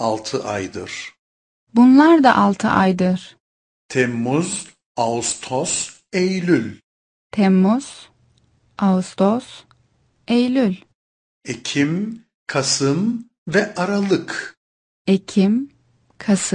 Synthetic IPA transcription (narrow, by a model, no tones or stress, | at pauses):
alˠt̪ʰɯʔa̰jd̪ɯ̰ɾ̥ | bunlˠaɾd̪a̰ʔalˠt̪ʰɯ̰ʔajd̪ɯɾ̥ | t̪ʰɛmːuz | aust̪ʰos | ejlʲylʲ | t̪ʰɛmːuz̥ | aust̪ʰos | ejlʲylʲ | ecʰim | kʰasɯm | vɛʔaɾalˠɯk | ecʰim | kʰas